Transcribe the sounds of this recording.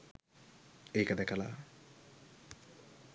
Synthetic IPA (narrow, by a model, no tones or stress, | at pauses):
ejkad̪ɛkʰala̰